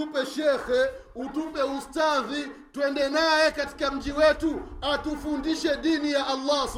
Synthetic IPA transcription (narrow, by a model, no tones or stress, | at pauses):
upɛʃɛxɛutupɛustaði | twɛndɛnajɛkati̥kam̩d͡ʒiwɛtuatufundiʃɛɗinijaʔalːa